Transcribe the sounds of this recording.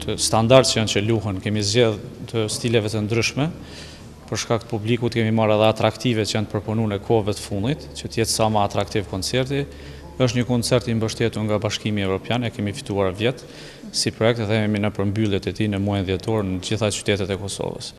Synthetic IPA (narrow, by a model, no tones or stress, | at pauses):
t̪əst̪and̪aɾt̪t͡ʃəɔnt͡ɕəluɦɛnkɛmizd͡ʑɛðt̪əst̪ilɛvɛt̪ənd̪ɾyʃmɛ | pəɾʃkak̚t̪ə̥publikut̪kɛmimaɾaðɛat̪ɾakt̪ivɛt͡ʃəjant̪əpɾɔpɔnunɛkʰɔvɛt̪ə̥fund̪it̪t͡ɕət̪əjɛt̪samaːt̪ɾakt̪ivkɔnt͡sɛɾt̪i | əʃt̪ɲəkɔnt͡sɛɾt̪imbəʃt̪ɛt̪uɾŋɡabaʃkimiɛvɾɔpjanɛkɛmifi̥t̪uaɾvjɛt̪ | sipɾɔɛk̚t̪ɛðɛkɛminəpəɾmbylˠjɛt̪ɛt̪inəmuajnðjɛt̪ɔɾnəd͡ʑiθat͡ʃy̥t̪ɛt̪ɛt̪ɛkɔsɔ̰və̰s